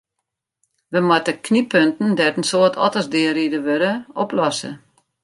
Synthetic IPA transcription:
ʋəmɔtəkʰnipʰøntn̩dɛtən̩soətʰɔ̰təsdɪəɾidəʋøɾəɔplɔsə̰

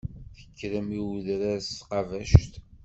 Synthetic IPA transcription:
θə̥kːɾəmiwðɾæsqɑvæʃt̪

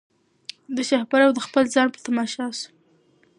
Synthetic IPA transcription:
d̪əʃahpaɾawd̪əxpəlzɑnpə̥t̪amɑʃɑsu̥

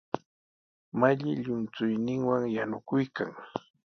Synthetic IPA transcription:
maʎɪʎʊnt͡sʊjnɪŋwaŋjanʊkʊjkaŋ

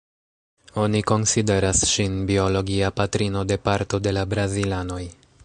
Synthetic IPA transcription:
o̞niko̞nside̞ɾasʃinbio̞lo̞ɡiapatɾino̞de̞paɾto̞de̞labɾazilano̞j

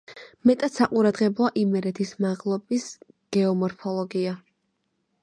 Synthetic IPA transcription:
mɛt̪ʼat̪saqʼuɾad̪ʁɛblɔaʔimɛɾɛt̪ʰismaʁlˠɔbis | ɡ̥ɛɔmɔɾpʰɔlˠɔɡia

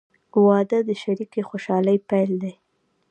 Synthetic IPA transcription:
wɑd̪əd̪əʃaɾikexoʃɑləjpajld̪aj

